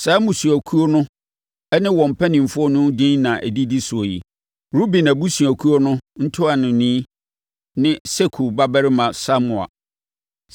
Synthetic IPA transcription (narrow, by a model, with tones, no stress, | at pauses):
sa˨˦mʊ̃˨su˨æ˨kʰu˦o˦nʊ̃˦ | ɛ˦nɪ̃˦wɔ̃˨m̩˨pʰɛ˦nɪ̃˨m̩˨fʊ˦ɔ˦nʊ̃˦dĩ˦nnã˨ʔæ˨di˦di˦sʊ˨o˨jḭ˨ | ɾu˦bi˨næ˨bu˦su˨æ˨kʰu˦o˦nʊ̃˦n̩˦tʰʊ˦a˨nʊ̃˨nĩ˦ | nɪ̃˦se˦kʰu˨ba˦bæ˦ɾɪ˦mã˨sa˦mʊ̃˨a̰˨